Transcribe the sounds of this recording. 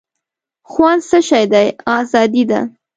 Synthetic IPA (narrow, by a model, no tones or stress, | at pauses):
xwɑnsəʃɑjd̪ajɑzɑd̪id̪a̰